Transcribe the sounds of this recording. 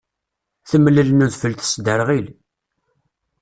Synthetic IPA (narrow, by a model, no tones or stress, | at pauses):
θəmlːəlnuðfəlt̪ə̥sd̪əɾʁil